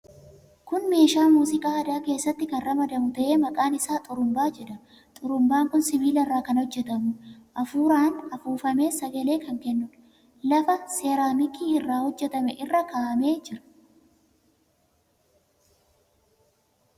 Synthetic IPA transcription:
kʊnme̞ːʃaːmuːsɪkʼaːɐd̪aːke̞ːsːɐt̪ːɪkɐnrɐmɐd̪ɐmʊt̪ɐʔe̞ːmɐkʼaːnɪsaːt̪ʼʊɾʊmbaːd͡ʒɛᶑɐ | t̪ʼʊɾʊmbaːŋkʊnsɪbiːlɐrːaːkɐnhɔd͡ʒːɛt̪ɐmʊʔɐfuːɾaːnɐfuːfɐme̞ːsɐɡɐle̞ːkɐŋkɛnːʊᶑ | lɐfɐse̞ːɾaːmɪkiːɪrːaːhɔd͡ʒːɛt̪ɐmɛʔɪrːɐkaːʔɐmeːd͡ʒɪɾɐ̥

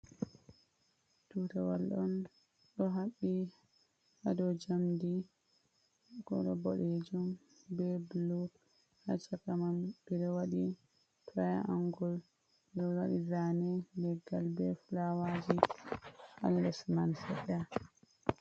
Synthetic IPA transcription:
tutawalɗɔn | ɗɔɦaɓːi | adɔd͡ʒamdi | kɔ̰ɗɔbɔɗed͡ʒum | bɛblu | hat͡ʃakamanbiɾɔwaɗi | tʰajaʔaŋɡɔl | biɾɔwaɗizanɛlɛɡːalbɛfulawad͡ʒi | ha̰lːɛsmansɛɗːa

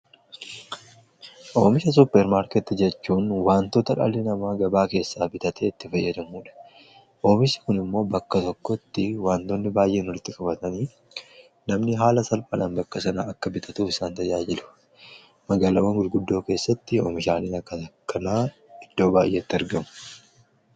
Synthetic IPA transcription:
ʔoːmɪʃɐs̬ʊpːɛɾmaːɾkɛt̪ːɪd͡ʒɛt͡ʃːuːnwaːnt̪ot̪ɐᶑɐ̰lɪnɐmaːɡɐbaːke̞ːsːaːbɪt̪ɐt̪eːɪt̪ːɪfɐjːɐd̪ɐmuːᶑɐ̥ | ʔo̞ːmɪʃɐ̥kʊnɪmːo̞ːbɐkːɐt̪ɔkːɔt̪ːɪwaːnt̪onːɪbaːjʔeːnɔɾɪt̪ːɪkʼɐbɐt̪ɐniː | nɐmnɪɦaːlɐsɐlpʼɐᶑɐnbɐkːɐsɐnaɐkːɐbɪt̪ʰɐt̪uːfɪsaːnt̪ɐjaːd͡ʒɪlʊ̥ | mɐɡaːlɐwɐŋɡʊlɡʊd̪ːo̞ːke̞ːsːɐt̪ːɪo̰ːmɪʃaːlinɐkːɐɐkʰːɐnaː | ɪd̪̥ːo̞ːbaːjʔeːt̪ːɪɐɾɡɐmʊ̥

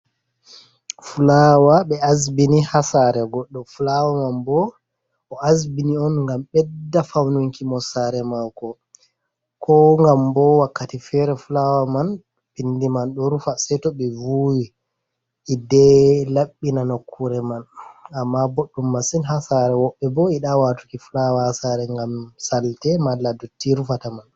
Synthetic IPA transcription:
fulawaɓɛazbinihasaɾɛɡɔɗːɔfulawamanbɔː | azbiniɔnŋɡamɓɛdːafawnuŋkimɔsaɾɛmalkɔ | kʰɔŋɡambɔwakːatifɛɾɛfulawaman | pindimanɗɔɾufasɛtɔɓɛvuwi | ʔidɛlaɓːinanokʰːuɾɛmanamːaboɗːumːasinɦasaɾɛwɔɓːɛbɔiɗawatu̥kifulawahasaɾɛŋɡamsaltɛmalːadotːiɾufataman

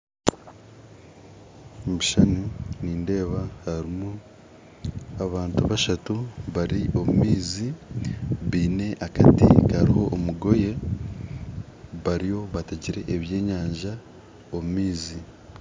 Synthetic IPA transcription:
βuʃanuniːnde̞ːβahaɾimu | aβaːntuβaʃatuβaɾiʔo̞mumiːzi | βiːne̞ʔakatḭkaɾiho̞ʔːmuɡo̞je̞ | βaɾijo̞βateɟiɾe̞ʔːβje̞ːɲaːɲʒa | omumiːzi

